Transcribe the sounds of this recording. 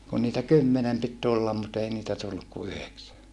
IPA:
kun niːtæ kymːenem pit tulːɑm mut ei niːtæ tulːuk ku yheksæ

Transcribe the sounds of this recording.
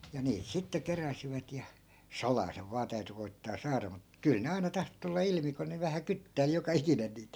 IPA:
jɑ niːt sitːe keræsiʋæt jɑ sɑlɑː seʋ ʋɑː tæyty koi̯tːɑː sɑːrɑ mut kyl ne ɑinɑ tɑhto tulːɑ ilmi ku ne ʋæhæ kytːæi̯l jokɑ ikinen niːt

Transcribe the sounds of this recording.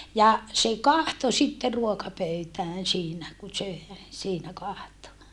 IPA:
jɑ se kɑhto sitːe ruokɑpøytæːn siːnæ ku søˑe siːnæ kɑhto

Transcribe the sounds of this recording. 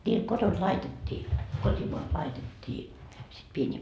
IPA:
nʲiːl kotont lɑitetʲːiː kotʲimoɑst lɑitetʲːiː sit pienʲiː

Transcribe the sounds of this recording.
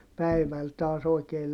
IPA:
pæiʋæl tɑːs oikeː

